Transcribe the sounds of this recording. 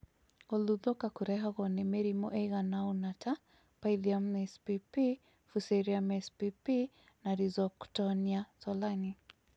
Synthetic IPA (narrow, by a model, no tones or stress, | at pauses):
ɔluðɔkakuɾɛɦaɣɔnɛmɛɾimɔʔɛjɣanaunatʰa | pajliamɛspipi | fusɛɾiamɛspipi | naɾizɔku̥tɔniasɔlani